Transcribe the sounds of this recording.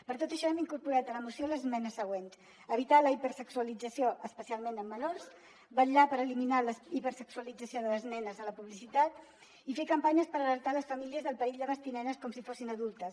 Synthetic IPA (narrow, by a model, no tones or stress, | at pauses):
pəɾt̪ot̪əʃɔɛmiŋkuɾpuɾat̪ələmusioləzmɛnəsəɣwens | əβit̪aləipəɾsəksuəlid͡zəsioʔəspəsialˠmenəmːənors | bəʎapəɾəliminaləipəɾsəksuəlid͡zəsioðələznɛnəzələpuβlisit̪at̪ | ifekəmpaɲəspəɾələɾt̪aləsfəmiliəzðəlˠpəiʎd̪əβəst̪inɛnəskɔmsifosinəðulˠt̪əs